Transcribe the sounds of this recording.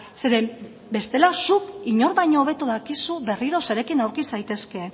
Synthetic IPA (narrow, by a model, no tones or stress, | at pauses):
se̞ɾe | be̞st̪e̞lasukiɲo̞ɾβajɲo̞ːβ̞e̞t̪uðakisuβe̞riɾo̞se̞ɾe̞kinawɾkisajt̪e̞ske̞